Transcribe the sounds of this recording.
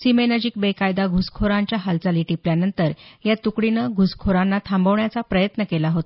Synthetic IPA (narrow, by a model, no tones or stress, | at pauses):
simenəd͡ʑik̚bekajd̪aɡʱuskʰoɾaɲt͡ɕjaɦalt͡saliʈipljanənt̪əɾjat̪ukɽinəɡʱuskʰoɾãnːat̪ʰambəʋɳjat͡sapɾəjət̪nəkelaɦot̪a